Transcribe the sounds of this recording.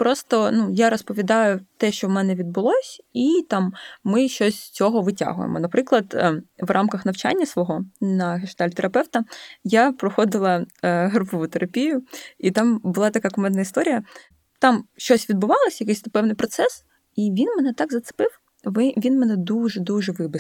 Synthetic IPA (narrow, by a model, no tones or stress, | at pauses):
pɾɔst̪ɔnujaɾɔspɔʋʲid̪ɑjʊt̪ɛʃt͡ʃɔwmɛnɛʋʲid̪̚bʊlˠɔsʲit̪ɑmːɪʃt͡ʃɔsʲst͡sʲɔɦɔʋɨtʲa̰ɦʊ̰jḛmʔɔ̰nɐpɾɪklˠɐd̪ʋrʔɑmkɐxnɐwt͡ʃa̰nʲːɐsʋɔɦɔnɐɦɪʃt̪ɑlʲt̪eɾʔɐpɛwt̪ɐjapɾɔxɔd̪ɪlˠɐɦɾupɔʋut̪eɾɐpʲijʊit̪ɑmbʊlˠɑt̪ɐkakɔmɛnnɐist̪ɔɾʲijɐ | t̪ɑmʃt͡ʃɔsʲʋʲid̪̚bʊʋɑlˠɔsʲjɐkɪjsʲt̪ɐpɛwnɪjpɾʔɔt̪sɛs | iʋʲinmɛnɛt̪ɑɡzɐt̪sɪ̥pɪw | ʋʲinmɛnɛd̪uʒɛd̪uʒɛʋɪbɪ